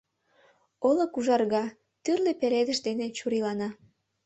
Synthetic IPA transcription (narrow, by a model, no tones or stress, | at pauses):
olŏkuʒɑrɣɑ | t̪yrlepeɾed̪ə̆ʃd̪enet͡ɕuɾilɑnɑ